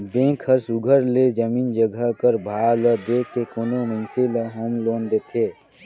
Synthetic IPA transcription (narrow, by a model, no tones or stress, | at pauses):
b̪ẽːkʰəɾsʊɡʱəɾled͡ʒəmiːnd͡ʒəɡʱəkəɾbʱaːləd̪eːkːekoːnomə̃ɪnseləɦoːmloːnd̪eːt̪ʰeː